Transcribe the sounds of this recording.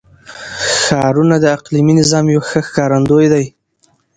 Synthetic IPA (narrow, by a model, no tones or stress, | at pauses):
xɑɾunad̪əaqliminɪzɑmjawxəxkɑɾand̪ojd̪aj